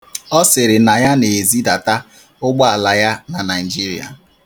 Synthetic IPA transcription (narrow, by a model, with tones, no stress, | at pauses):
ɔ˦sɪ˨ɾɪ˨na˨ja˦ne˨zi˦da˨ta˦ | ʊ˦ɡ͡bɔ˦a˨la˨ja˦na˨na˨ɪ˨d͡ʒi˦ɾḭ˨a̰˨